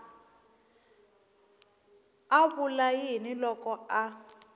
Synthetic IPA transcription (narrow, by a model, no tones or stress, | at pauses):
aβulajinilɔkɔa